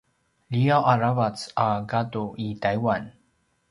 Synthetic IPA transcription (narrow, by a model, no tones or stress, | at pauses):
liaʔaɾavat͡saɡat̪oʔit̪ajwan